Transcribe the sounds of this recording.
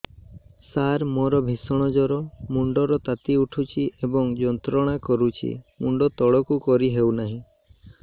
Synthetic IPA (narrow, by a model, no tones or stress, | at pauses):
saɾmɔɾɔbʱisɔɽ̃ɔd͡ʒɔɾɔmuɳɖɔɾɔt̪at̪iuʈʰut͡ʃʰiʔebɔŋd͡ʒɔnt̪ɾɔɽ̃akɔɾut͡ʃʰḭmuɳɖɔt̪ɔɽɔkukɔɾiɦewnaɦĩ